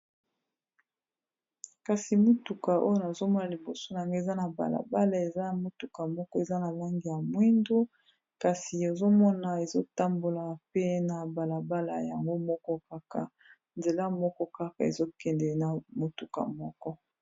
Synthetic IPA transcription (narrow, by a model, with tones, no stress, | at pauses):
ka˨si˨mo˦tu˨ka˨ʔo˦jo˦na˨zo˦mɔ˦na˨li˨bo˨so˦na˨a˨ŋɡe˦˨za˦na˨ba̰˨la̰˨ba˦la˨e˨za˦˨mo˦tu˨ka˨mɔ˦kɔ˦e˨za˦na˨la˦ŋɡi˨ja˨mwi˦ndu˦ | ka˨si˨o˨zo˦mɔ˦na˨e˨zo˦ta˦mbo˨la˨pe˦na˨ba˨la˨ba˦la˨ja˨ŋɡo˦mɔ˦kɔ˦ka˦ka̰˨ | nze˨la˦mɔ˦kɔ˦ka˦ka̰˨ḛ˨zo˦kɛ˨ndɛ˨na˨mo˨tu˨ka̰˨mɔ˦kɔ˦